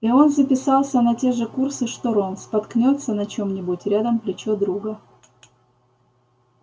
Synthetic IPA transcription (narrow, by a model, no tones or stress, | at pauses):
io̞nzəpʲɪsɑlˠsʲənɐtʲe̞ʐɨkursɨʂt̪oɾonspɐt̪knʲo̞t̪sənɐt͡ɕo̞mnʲɪbutʲɾʲad̪əmplʲɪt͡ɕod̪ɾuɡə